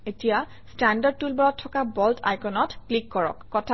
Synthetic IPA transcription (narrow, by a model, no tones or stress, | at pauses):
etija | standad̚tulbɔɹɔtʰːɔkabɔltʰa̰jkɔnɔtklikːɔɹɔ̰kːɔtʰa